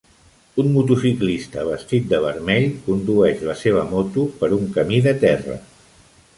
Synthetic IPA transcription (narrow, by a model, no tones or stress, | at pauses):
unmut̪usiklist̪əβ̞əst̪it̪̚d̪əβəɾmɛʎkund̪uɛʃləseβ̞əmot̪upəɾuŋkəmiðət̪ɛrə̰